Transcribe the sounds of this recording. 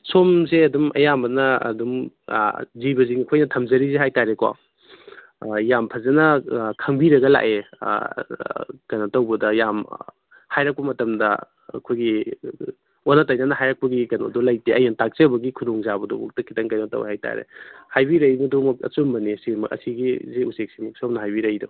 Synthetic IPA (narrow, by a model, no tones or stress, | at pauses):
somzeɐdumʔɐ̰jamɐnɐ̰ːdum | zibɐziŋɐkʰojnɐtʰɐmzɐɾizeɦajtaɾekwa̰ | jampʰɐzenɐkʰɐŋbiɾɐɡɐla̰ʔḛ | kɐjnotɐwbɐdɐjam | hajɾɐk̚pbɐmɐtɐmdɐ̰ː | kʰojɡi | onɐtajnanɐɦajɾɐk̚pɐɡikɐjno̰dɔlɐjteʔɐjantak̚t͡ʃebɐɡikʰudɔŋzabɐdubɔk̚tɐkʰitɐŋkajnotɐ̰w̰hajta̰ɾḛhajbiɾɐjbɐdɔmɐkɐ̰t͡ʃumbɐnisimɐkɐ̰siɡiziusek̚simɐk̚sopnɐɦajbiɾɐjdo̰